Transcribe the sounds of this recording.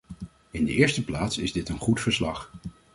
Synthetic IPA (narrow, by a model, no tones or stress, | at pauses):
ɪndəʔɪːɹstəplaːtsɪzdɪtənχutfəɹslɑ̰χ